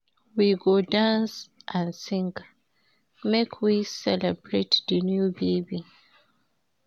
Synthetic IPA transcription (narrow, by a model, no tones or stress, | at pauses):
wiɡodãnsʔãnsĩŋk | mekʰwisɛlɛbɹetðənjubebi